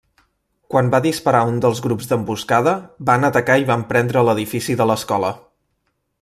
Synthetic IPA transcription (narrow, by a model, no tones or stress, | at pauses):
kwambaðispəɾaund̪əlˠzɣɾupzd̪əmbuskaðəbanət̪əkaiβampɾɛnd̪ɾələðifisiðələskɔlə